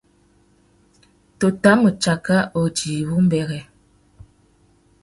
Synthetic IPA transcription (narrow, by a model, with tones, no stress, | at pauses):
to˨ta˦mə˨t͡ʃa˨ka˦o˨d͡ʒiː˨bu˦m̩˦bɛ˨ɣɛ˨